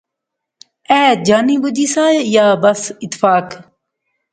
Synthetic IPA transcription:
ɛːd͡ʒaːniːbʊd͡ʒiːsaːejaːbəsɪt̪ːfaːk

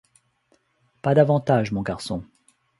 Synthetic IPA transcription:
pad̪avɑ̃t̪aʒmɔ̃ɡaʁsɔ̃

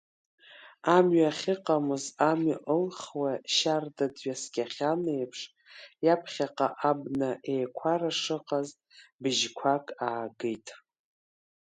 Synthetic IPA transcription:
amɥaχʲɪqʼamɨzamɥaʔəlχwaʃardadɥasɡʲʼaχʲanejpʰʂ | japʰχʲaqʼa̰ʔabnaʔejkʷʰaraʂɨqʼazʼ | bɨʒkʷʰakʼaːɡɨjtʼ

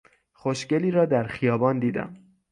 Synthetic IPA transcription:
xoʃce̞liːɾɒːd̪æɾxijɒːbɒːnd̪iːd̪æ̰m

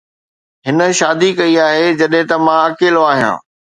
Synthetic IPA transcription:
ɦɪnə̆ʃaːd̪ikɐiaːɦed͡ʑɐɗɦɪ̃t̪ɐmãɐkeːloaːɦijã̰ː

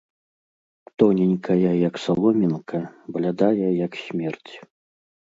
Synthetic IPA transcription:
t̪ɔnʲinʲkʰɐjɐjɐksalˠɔmʲinkʰɐblʲad̪ajɛjɐksʲmʲɛrt͡sʲ

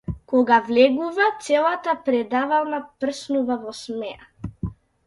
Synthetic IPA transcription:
kɔɡavlɛɡuvat̪sɛlˠat̪apɾɛd̪avalˠnapr̩snuvavɔsmɛa

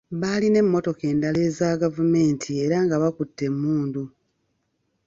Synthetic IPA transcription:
βaːline̞mːo̞to̞ke̞ːndale̞ːzaɡavume̞ːntʰie̞ːɾaŋɡaβakutːe̞mːuːndu

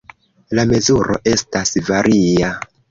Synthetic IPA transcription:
lame̞zuɾo̞̰ʔe̞stasvaɾʔia

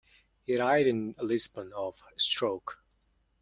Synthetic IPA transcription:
hiɨɾaɪɾɨ̃nəlɪzbə̃nəv̥stɹ̥oʊk

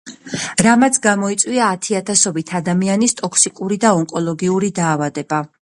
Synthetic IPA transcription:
ɾamat̪sʰɡamɔit̪sʼwiaːt̪ʰiat̪ʰasɔbit̪ʰad̪amianist̪ʼɔkʰsikʼuɾid̪aɔŋkʼɔlˠɔɡiuɾid̪aːvad̪ɛba

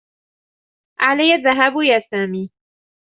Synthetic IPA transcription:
ʔalajːaðaɦaːbjaːsaːmiː

